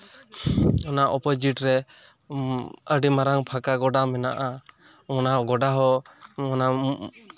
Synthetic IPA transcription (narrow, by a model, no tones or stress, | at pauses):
ɔnaʔɔpɔd͡ʒiʈɾɛ | əɖimaɾaŋpʰakaɡɔɖamɛnaʔa | ɔnaɡɔɖaɦɔɔna